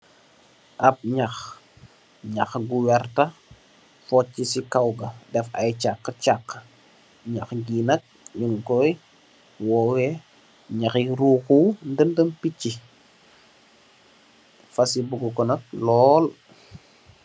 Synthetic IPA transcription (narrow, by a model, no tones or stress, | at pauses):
ʔap̚ɲax | ɲɐxɡuwɛɾtɐ | fɔt͡ʃːisikawɡɐdɛfa̰jt͡ʃakːət͡ʃakːə | ɲaxɡinɐk̚ɲuŋkɔj | wɔwɛ | ɲaxiɾuːkuwndəndəmpicːi | fɐsibuɡɔkɔnɐk̚lɔl